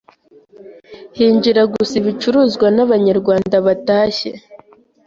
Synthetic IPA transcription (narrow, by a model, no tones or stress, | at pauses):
hiːɲd͡ʒiɾaɡusiβit͡ʃuɾuzɡwanaβaɲaɾɡwaːndaβataːʃe̞̰